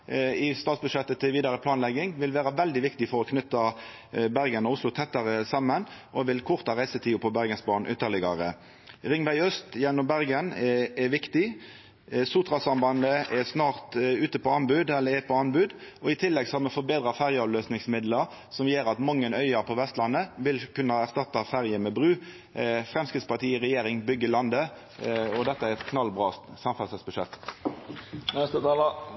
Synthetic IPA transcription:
ɪst̪ɑːt̪sbʉʂɛt̪ːət̪ʰɪlʋiːd̪ɑɾəpʰlɑːnlɛɡɪŋʋɪlʋæːʁɑʋɛld̪ɪʋɪkt̪ɪfɔɾɔkʰnʏt̪ːɑ | bæʁɡənɔʊslʊt̪ʰɛt̪ːɑʁəsɑmːənʔɔʋɪlkʰʊʁt̪ɑʁæɪsət̪ʰiːʊpʰɔbæʁɡənsbɑːnʔʏt̪ːəʁlɪɡɑ̰ʁə̰ | ʁɪŋʋæɪœst̪jɛnːɔmbæʁɡənɛʋɪkt̪ɪ | sut̪ʁɑsɑnbɑnd̪əʔɛsnɑːʁt̪ʉːt̪əpɔɑnbʉːd̪ɛlːəʁɛpʰɔɑnbʉːd̪ɔɪt̪ʰɪlːɛɡsɔhɑɾmɛfɔbeːd̪ʁɑfæʁjəɑʋløːsnɪŋsmɪd̪ləɾ | sɔmjeːɾɑt̪mɑŋːənœʏəpʰɔʋɛst̪lɑnːəʋɪlkʉnːəæʁst̪ɑt̪ːɑfæʁjəmɛbʁʉː | fʁɛmskʁɪt̪spɑt̪iːɪʁɛjeːʁɪŋbʏɡːəlɑnd̪ə | ɔd̪ɛt̪ːəæʁɛt̪kʰnɑlːbʁɑːsɑmfɑsəsbʉʂɛ̰t̪ː | nɛst̪ət̪ɑːlə

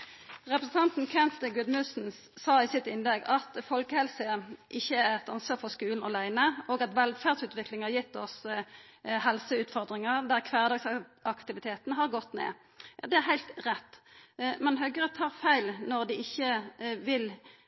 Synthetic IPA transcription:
ʁɛpɾəsn̩t̪ɑnt̪n̩kʰɛnt̪əɡʉd̪mʉsn̩ | sɑːɪsɪt̪ɪnlɛɡɑt̪fɔlkəhɛlsəʔɪçːəæɾɛt̪ɑnsʋɑːʁfɔʁskʉːln̩ɔlæɪnəoːɡɑt̪ʋɛlfæːʁd̪sʉːt̪ʋɪklɪŋhɑjɪt̪ːɔs | hɛlsəʉːt̪fɔʁd̪ʁɪŋəʁd̪æʁkʰʋæːʁd̪ɑːɡsɑkt̪ɪʋɪt̪ʰeːt̪nəɦɑʁɡɔt̪ːnḛː | jd̪ɛæɾɦæɪlt̪ʁɛt̪ːmɛnɦœɡəʁɛt̪ʰːɑːʁfæɪlnɔʁd̪ɪɪçːəʋɪl

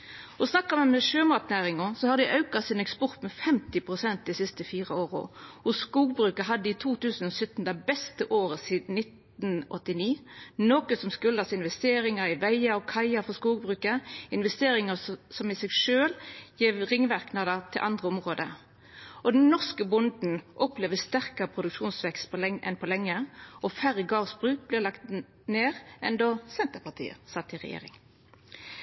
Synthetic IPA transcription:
ɔsnɑkːəmɛmɛʃøːmɑt̪næːʁɪŋɔsɔhɑʁd̪ɪʔɑʉkɑsɪnɛkspɔʁt̪mɛfɛmt̪ɪpʰʁʊsɛnt̪̚d̪isɪst̪əfiːʁəoːʁɔ̰hʊsskuːɡbʁʉːkəɦɑd̪ːəiːt̪ʰuːt̪ʰʉːsən̩ɔsœt̪n̩d̪æbɛst̪əʔoːʁəsiːd̪n̩nɪt̪ | nʔɔt̪ːɪniːnoːkəsɔmskʉlɑsɪnʋɛst̪eːɾɪŋəɾɪʋæɪɑɔkʰɑɪɑfɔskuːɡ̚bʁʉːkəɪnʋɛst̪eːɾɪŋəsɔmɪsɛɡʂøːljiːʋʁɪŋːʋæʁknɑd̪ət̪ʰɪlʔɑnd̪ʁəɔmʁoːd̪ə | ʔɔd̪ɛnnɔʁskəbʊnd̪n̩ʔɔpleːʋəst̪æʁkəʁəpʰʁʊd̪ʉkʃuːnsʋɛkst̪̚pʰɔlɛʔɛ̰npʰɔlɛŋːəʔɔfæʁəɡɑːʁsbʁʉːk̚blɪʁlɑkt̪ | neːʁʔɛ̰nd̪osɛnt̪əʁpɑt̪ʰḭːə̰sɑt̪ːɪʁɛ̰jḛːʁɪ̰ŋ

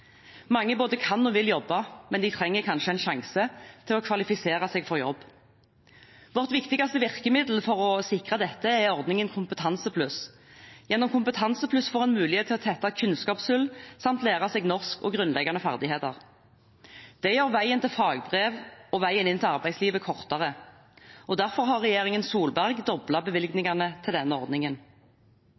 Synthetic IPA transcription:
mɑŋːəboːd̪əkʰɑnːɔʋɪljɔbːɑmɛnd̪ɪt̪ʰʁɛŋːəkʰɑnʃəɛɪnʃɑŋsət̪ʰɪlɔkʰʋɑlɪfɪseːʁɑsɛːɡfɔʁjɔ̰bː | ʋɔʁt̪ʋɪkt̪ɪɡɑst̪əʋɪʁkəmɪd̪l̩fɔʁɔsɪkʁɑd̪ɛt̪ːəɛɔʁd̪nɪŋənkʰʊmpət̪ʰɑnsəpʰlʉs | jɛnːɔmkʊmpət̪ʰɑnsəpʰlʉsfɔːʁɛnmʉːlɪheːt̪ʰːɪlɔt̪ʰɛt̪ːɑkʰʉnskɑːpsʉlːsɑmt̪læːʁɑsɛːɡnɔʁskɔ̰ɡʁʉnlɛɡɑnəfæ̰ʁd̪ɪheːt̪ɑʁ | d̪̥ɛjøːʁʋæɪənt̪ɪlfɑːɡbʁeːʋɔʋæɪənɪnt̪ʰɪlɑʁbæɪsliːʋəkʰɔʁt̪ɑʁə | ɔd̪æʁfɔʁɦɑʁːɛjeːʁɪŋənsuːlbæʁɡd̪ɔblɑbəʋɪlɡnɪŋɑnət̪ʰɪld̪ɛnːəɔʁd̪nɪŋən

